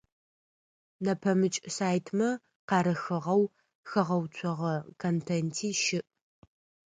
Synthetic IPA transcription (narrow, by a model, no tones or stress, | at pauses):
nɐpʰɐmɨt͡ʃʼsaːjtʰmɐ | qɑːɾɐxɨʁɐw | xɐʁɐwt͡ʃʷʰɔʁɐkʰontʰentʰiːʃɪʔ